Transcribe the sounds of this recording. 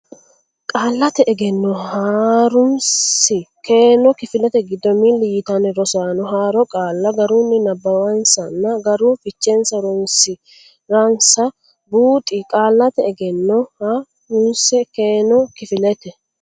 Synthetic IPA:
kʼaːlːɐt̪ɛʔɛɡɛnːɔhaːɾʊmsɪkʰeːnɔkɪfɪlɛt̪ɛɡɪd̪ːɔmilːɪjɪt̪ɐnɛɾɔsaːnɔɦaːɾɔkʼaːlːɐɡɐɾunːɪnɐbːɐwɐnsɐnːɐɡɐɾʊfɪt͡ʃːɛnsɐɾɔmsɪ | ɾɐnsɐ | buːt̪ʼɪkʼaːlːɐt̪ɛɛɡɛnːɔha | ʊnsɛkeːnɔkɪfɪlɛt̪ɛ

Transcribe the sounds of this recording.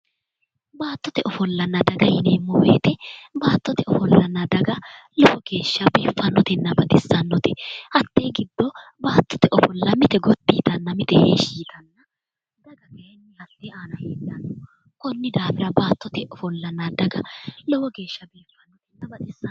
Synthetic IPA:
baːt̪ːɔt̪ɛʔɔfɔlːɐnːɐd̪ɐɡɐjɪneːmɔːwḛːt̪ɛbaːt̪ːɔt̪ɛɔfɔlːɐnːɐd̪ɐɡɐlɔwɔɡe̞ːʃːɐbe̞ːfːɐnːɔt̪ɛnːɐbɐd̪ɪsːɐnːɔt̪ɛhɐt̪ːeːɡɪd̪ːɔbaːt̪ːɔ̥t̪ɛʔɔfɔlːɐmɪt̪ɛɡɔt̪ːiːt̪ɐnːɐmɪt̪ɛheːʃiːt̪ɐnːɐ | d̪ɐɡɐkɐjɛnːɪhɐt̪ːɛaːnɐheːlːɐnːɔ | kɔnːɪd̪aːfɪɾɐbaːt̪ːɔt̪ɛʔɔfɔlːɐnːɐd̪ɐɡɐlɔwɔɡe̞ːʃːɐbe̞ːfːɐnːɔt̪ɛnːɐbɐd̪ɪsː

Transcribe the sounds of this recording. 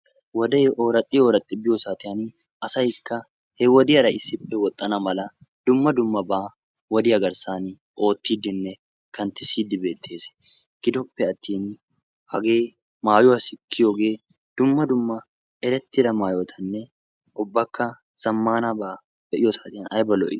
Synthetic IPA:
wɐd̪eoːɾɐt̪ʼːɪoːɾɐt̪ʼːɪbɪjɔsaːt̪ɪʔɐniː | ɐsɐɪkːɐ | hɛwɔd̪iɐɾɐʔɪsɪpʼːɛwɔt̪ʼːɐnɐmɐlɐ | d̪̥ʊmːɐd̪ʊmːɐbaː | wɔd̪ɪɐɡɐɾsaːni | ʔo̞ːt̪ːiːd̪ɪnːɛ | kɐnt̪ɪsiːd̪ɪbe̞ːt̪ʰːe̞ːsɛ̥ | ɡ̥ɪd̪ɔpːɛɐt̪ːiːn | hɐ̰ɡeː | maːjoɐsɪkʰːɪjɔɡeː | d̪̥ʊmːɐd̪ʊmːɐ | ʔɛɾɛt̪ːɪɾɐmaːjoːt̪ʰɐnːɛ | ʔɔbːɐkːɐ | sɐmːaːnɐbɐ | b̥ɛʔɪjɔsaːt̪ɪɐnɐjbɐlɔ̰ʔɪ̰

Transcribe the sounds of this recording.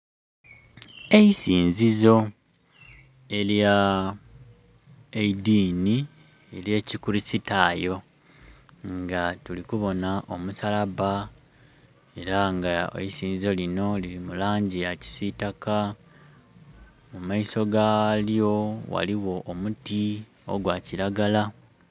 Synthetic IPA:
e̞isiːnzizo̞ | e̞lja | eidini | elje̞ːcikuɾisitaːjo̞ | ŋɡatulikuβo̞naʔo̞musalaβa | e̞ɾaŋɡa̰isiːnzo̞lino̞lilimulaːɲɟijaci̥sitaka | mumaiso̞ɡaljo̞wa̰liwo̞ʔːmuti | o̞̰ɡwaːciɾaɡala

